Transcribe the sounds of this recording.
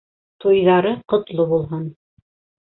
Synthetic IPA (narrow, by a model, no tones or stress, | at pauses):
t̪ojðɑɾɤqŏt̪lˠobulˠɦɑn